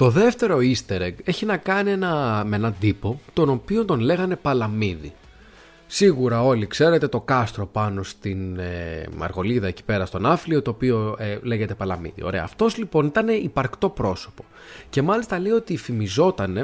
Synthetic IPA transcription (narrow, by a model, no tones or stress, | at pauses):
t̪o̞ðe̞ft̪e̞ɾo̞ist̪eɾeɡe̞çinɐkɐnie̞nɐmenɐd̪ipo̞t̪o̞no̞pio̞nt̪o̞nle̞ɣɐne̞pɐlɐmiði | siɣuɾɐo̞likse̞ɾe̞t̪e̞t̪o̞kɐst̪ɾo̞pɐno̞st̪inemɐ̰ɾɣo̞liðɐe̞ci̥pe̞ɾɐst̪o̞nɐfliot̪o̞ːpio̞ele̞ʝe̞t̪e̞pɐlɐmḭðḭo̞̰ɾe̞ɐ̰ːft̪o̞zlipo̞nit̪ɐne̞ipɐɾkt̪o̞pɾo̞so̞po̞ | ce̞mɐlist̪ɐle̞io̞t̪ifimizo̞t̪ɐne̞